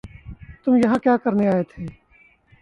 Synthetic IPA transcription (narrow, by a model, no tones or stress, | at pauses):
t̪ʊmjɐɦãːkjaːkəɾneaːeːt̪ʰeː